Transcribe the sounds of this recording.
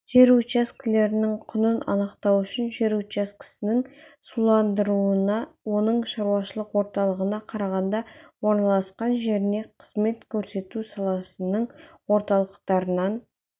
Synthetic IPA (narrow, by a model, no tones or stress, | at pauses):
ʒ̥e̞ɾut͡ʃeskʲɪle̞ɾɪnɪŋqʰʊnənʔɑ̰nəqt̪ɑwʏʃɪnʒeɾut͡ʃeskʲɪ̥sɪnɪŋsulˠɑnd̪əɾuənɑwo̞nəɴʃɑɾuwɑʃəlˠəqwo̞ɾt̪ɑlˠəʁənɑqʰɑɾɑʁɑnd̪ɑwo̞ɾnɑlˠɑsqɑnʒe̞ɾɪne̞qʰəz̥me̞t̪kʲʰɵɾse̞t̪usɑlˠɑsənəɴ | wo̞ɾt̪ɑlˠəq̚t̪ɑɾənɑn